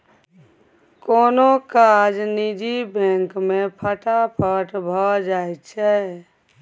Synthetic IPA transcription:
koːnokad͡ʒnid͡ʒibɛ̃ŋkmepʰəʈʰapʰəʈbʱɔd͡ʒajtt͡ʃʰɛ

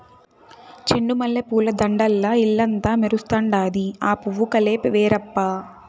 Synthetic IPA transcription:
t͡ʃeɳːumɐlːɐpuːlɐd̪ɐɳɖɐlːɐilːɐnt̪aːmeɾust̪aːɳɖaːd̪iaːpuʋːukɐleːpʋeːɾɐpːaː

